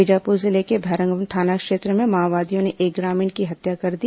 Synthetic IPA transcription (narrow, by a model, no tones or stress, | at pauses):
ɪd͡ʒaːpuːɾzɪlekebʱɛɾə̃ŋɡəmt̪ʰaːnakʃeːt̪ɾəmẽmaːʋaːd̪ijõneʔeːk̚ɡɾaːmɪ̃ːɳʈkiɦɐt̪jakɐɾd̪i